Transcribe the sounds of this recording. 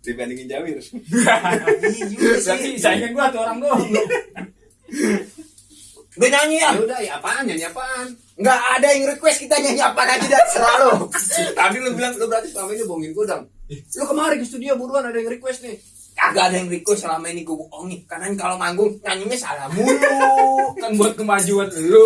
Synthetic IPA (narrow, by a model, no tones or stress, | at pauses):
dibandiŋɪnd͡ʒawɪɾs | d͡ʒisaiŋaɡuat̪uoɾaŋɡo | ɡəɲaɲiaudajapaɲaɲapan | ŋɡaʔːdajaŋɾikwɛst̪̚kit̪aɲaɲiapakad͡ʒidasəɾalot̪abilʊbilaŋlobəɾat̪islamainiboŋɪnkudaŋlokəmaɾikəst̪udiobuɾuanadajaŋɾikwɛst̪nɪ | kaɡaːdajaŋrikwɛstːlamainikuɡuoŋɪkanaɲkaloŋaŋɡʊŋɲaɲiɲasalamulʊkanbuat̪̚kəmad͡ʒuanlo